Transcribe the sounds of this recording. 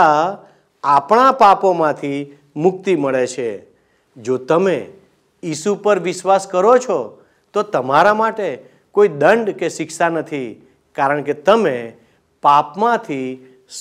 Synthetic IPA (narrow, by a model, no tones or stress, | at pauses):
a | apɳapapomãt̪ʰi | mʊk̚t̪iməɭet͡ʃʰe | d͡ʒot̪əme | jisupəɾʋɪʃʋaskəɾot͡ʃʰɔ | t̪ot̪əmaɾamaʈe | koid̪əɳɖkeʃɪkʃanət̪ʰi | kaɾəɳket̪əme | papmãt̪ʰi | s